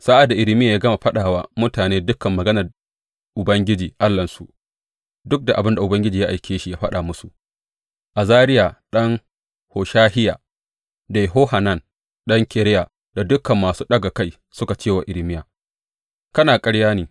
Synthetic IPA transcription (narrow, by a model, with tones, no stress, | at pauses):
sa˦ʔa˨da˨ʔɪ˨lɪ˦mɪ˦ja˨jaː˦ɡɐ˦ma˨ɸɐ˦ɗaː˨waː˦mʊ˦taː˨neː˦dʊ˦kɐ˨mːɐ˨ɡɐ˦nɐ˨r | ʔʊ˨bɐ˦ŋɡʲɪ˦d͡ʒiː˨ʔa˦lːɐ˨nsṵ˨ʔ | dʊ˦k̚da˨ʔa˨bɪ˦nda˨ʔʊ˨bɐ˦ŋɡʲɪ˦d͡ʒiː˨ja˦ʔa˨jkʲʰeː˦ʃi˦jaː˦ɸɐ˦ɗa˨mʊ˦su˨ʔ | ʔa˨zaː˦ɾɪ˦jaː˨ɗɐ˦ŋ | hoː˨ʃaː˦hɪ˦ja̰ː˨ | da˨jɦoː˦ha˨na˦˨n | ɗɐ˦ŋkʲe˨ɾɛ˦ja˨ | da˨dʊ˦kɐ˨mːaː˨suː˦ɗɐ˦ɡa˨ka˦j | sʊ˦ka˨t͡ʃeː˦wa˨ʔɪ˨lɪ˦mɪ˦jaː˨ | kɐ˦naː˨kʼɐ˦ɽjaː˦niː˨